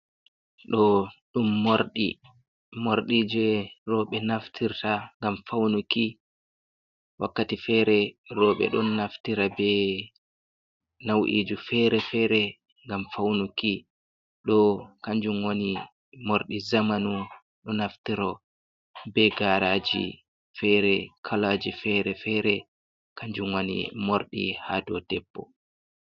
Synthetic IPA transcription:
ɗɔɗumːoɾɗḭ | moɾɗid͡ʒɛrɔɓɛnaftʰiɾtaŋɡamfawnuki | wa̰kːatifɛɾɛɾɔɓɛ̰ɗɔnːaftiɾabɛ | nawʔḭːd͡ʒufɛɾɛfɛːɾɛ | ŋɡamfawnuki | ɗɔkaɲd͡ʒumwoni | moɾɗizamanu | ɗɔnaftiɾɔ | bɛɡaɾaːd͡ʒḭ | fɛɾɛkʰalaːd͡ʒifɛːɾɛfɛːɾɛ | kʰaɲd͡ʒumwonḭmoɾɗḭhaːdɔdɛpːɔ

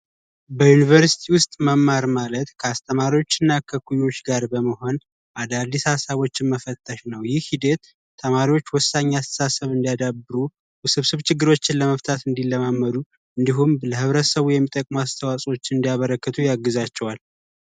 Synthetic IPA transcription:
bəjunivəɾsi̥t̪ʰiwʊst̪ʼməmːaɾmalət̪kʰəast̪ʰəmaɾiwo̞t͡ʃːɪnːakʰəkʰujo̞t͡ʃːɡaɾbəməɦo̞n | ʔad̪ad̪ːishasaβo̞t͡ʃːɪnməfət̪ʼːəʃnəwjɪhid̪et̪ | t̪ʰːəmaɾiwo̞t͡ʃːwɔsːaɲːasə̥sasəβɨnd̪ijad̪abːɨɾu | sɨβsɨβt͡ʃɪɡːɨɾo̞t͡ʃːɪnləməft̪ʰat̪ɨnd̪iləmamːəd̪u | ʔɨnd̪iɦumbləhɨβɾəsəβujɛmːit̪ʼːəkʼmuast̪ʰəwasʼo̞t͡ʃːɪɨnd̪ijaβəɾəkːət̪ʰujaɡːɨzat͡ʃːɛwal

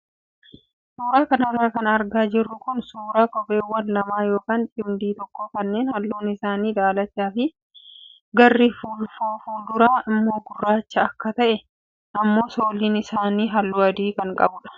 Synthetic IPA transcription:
suːɾaːkɐnɐrːaːkɐnɐɾɡaːd͡ʒɪrːʊkʊnsuːɾaːkʼɔbʼe̞ːwːɐnlɐmaːjo̞ːkaːnt͡ʃʼɪmd̪iːt̪ɔkːokɐnːe̞ːnhɐlːuːnɪsaːniːᶑaːlɐt͡ʃːaːfɪ | ɡɐrːifuːlfoːfuːld̪ʊɾaːɪmːo̞ːɡʊrːaːt͡ʃːɐːkːɐt̪ɐʔɛ | ɐmːo̞ːso̞ːliːnɪsaːniːɦɐlːuːɐd̪iːkɐŋkʼɐbʊᶑɐ̥

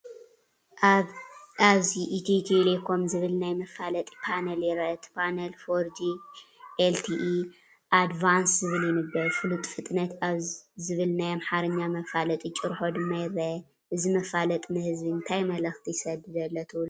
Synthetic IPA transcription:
aβziʔːt̪ʰet̪ʰelekʰo̞mzɨβɨlnajmɐfalɐt̪ʼpʰanɐljɛɾɐt̪pʰanɐlfoɾd͡ʒiʔelt̪ʰiʔ | ʔad̪vanszɨβɨljɪnɨbɐlfɨlut̪ʼfɨt̪ʼnɐt̪aβzɨβɨlnajamħaɾɐɲːamɐfalɐt̪ʼit͡ʃʼɨɾħo̞d̪ɨmːɐjɾɐ | ʔɨzimɐfalɐt̪ʼnɨhɨzbiɨnt̪ʰajmɐlɐxt̪ʰijsɐd̪ɨd̪ɐlːɐt̪ʰɨwl

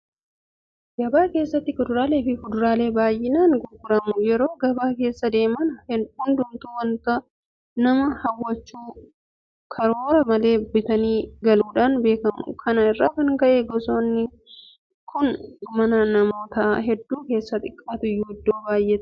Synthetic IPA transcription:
ɡɐbaːke̞ːsːɐt̪ːɪkʊd̪ʊɾaːleːfɪkʊd̪ʊɾaːle̞ːbaːjːɪnaːnɡʊɾɡʊɾɐmʊjɛɾo̞ːɡɐbaːke̞ːsːɐd̪e̞ːmɐnɐhʊnd̪ʊmt̪uwɐnt̪ɐ | nɐmɐhɐwːɐt͡ʃːuː | kʰɐɾo̞ːɾɐmɐle̞ːbɪt̪ɐniːɡɐluːᶑaːnbe̞ːkɐmʊ̰kʰɐnɐɪrːa̰ːkɐŋkɐʔeɡɔsoːnːɪ | kʰʊnmɐnɐnɐmoːt̪aɦɛd̪ːuːke̞ːsːɐt̪ʼɪkʼːaːt̪ʊɪjːuːɪd̪ːo̞ːbaːjːet̪

